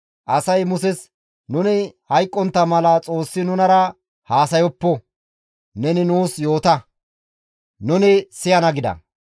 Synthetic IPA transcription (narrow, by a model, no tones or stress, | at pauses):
ʔɐsɐjmʊsɛs | nʊnɪhɐjkʼːɔnt̪ːɐmɐlɐt͡sʼo̞ːsːɪnʊnɐɾɐ | haːsɐjɔpːɔ | nɛnɪnuːsjo̞ːt̪ɐ | nʊnɪsɪjɐnɐɡɪd̪ɐ̰